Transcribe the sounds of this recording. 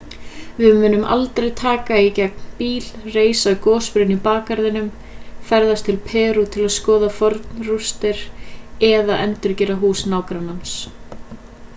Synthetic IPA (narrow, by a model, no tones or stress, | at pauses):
vɪðmʏːnʏma̰lt̪ɾejt̪ʰaːkaicɛk̚npiːlreːjsaʏkɔːspʏɾʏnipaːkaɾðɪnʏm | fɛɾðast̪ʰɪlpʰɛːɾut̪ʰɪlaðskɔːðafɔɾt̪nrust̪ɪɾ̥ɛðaʔɛnt̪ʏɾcɛːɾaɦuːsnaːwkɾanːans